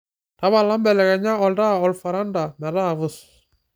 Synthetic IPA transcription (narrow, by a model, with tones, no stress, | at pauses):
ta˨˦βa˨la˦mbɛ˨lɛ˨kɛ˨ɲa˦ɔ˨lda˦ɔ˨lfa˨ɾa˦nda˨mɛ˨ɾa˦˨vʊ˦s